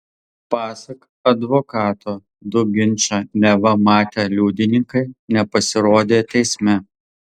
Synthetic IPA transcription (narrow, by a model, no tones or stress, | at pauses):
pɑːsɐk | ɐd̪ʋoːkɑːt̪oː | d̪ʊɡʲɪnʲˑt͡ʃʲɐnʲɛʋɐmɑːt̪ʲeːlʲuːd̪ʲɪnʲɪŋkɐɪnʲɛpɐsʲɪɾoːd̪ʲeːt̪ʲɛɪsʲmʲɛ